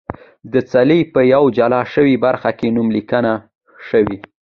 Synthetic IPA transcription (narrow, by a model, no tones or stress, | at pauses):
d̪ət͡salipəjawd͡ʒalɑʃəwibaɾxakenumlikəna | ʃəwi